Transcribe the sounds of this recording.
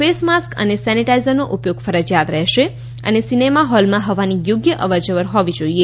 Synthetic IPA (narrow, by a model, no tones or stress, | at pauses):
fesmaskə̰nesɛniʈaizəɾnoʔupjoɡfəɾəd͡ʒjat̪ɾɛɦʃe | ə̰nesinemaɦɔlmãɦəʋanijoɡjəʔəʋəɾd͡ʒəʋəɾɦɔʋid͡ʒoie